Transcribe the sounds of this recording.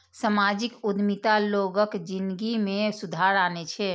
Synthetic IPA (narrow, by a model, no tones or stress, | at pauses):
səmaːd͡ʒɪkʊd̪mit̪aloːɡəkd͡ʒɪnɡimẽsʊd̪ʱaːɾaːnet͡ʃʰɛ